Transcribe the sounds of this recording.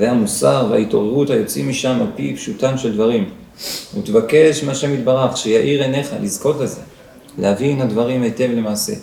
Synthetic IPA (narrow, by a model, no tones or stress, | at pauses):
zeamusaʁveaito̞ʁeʁuthajo̞t͡simiʃamalpipʃutamʃe̞ld̪vaʁim | ṵt̪evake̞ʃmeaʃe̞mit̚baʁaχʃejaʔiʁene̞χa̰lizko̞tleze̞ | lḛhavinhadvaʁimete̞vle̞maːse̞̰